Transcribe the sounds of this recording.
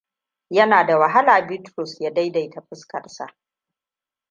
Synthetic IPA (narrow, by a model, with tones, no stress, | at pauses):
jɐ˦naː˨da˨wɐ˨ɦa˦laː˨bɪ˦tɾɔ˨sjaː˦da˦jda˨jta˨ɸɪ˦skɐ̰˨rsa̰˨ʔ